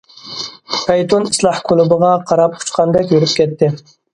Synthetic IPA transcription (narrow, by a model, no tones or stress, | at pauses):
pʰɛjt̪ʰonislˠɑhkʰʊlˠʊbɨʁɑqʰɑɾɑp̚qʰʊ̥t͡ʃqʰɑnd̪ɛkʲjeɾɪpkʲʰɛt̪ːɪ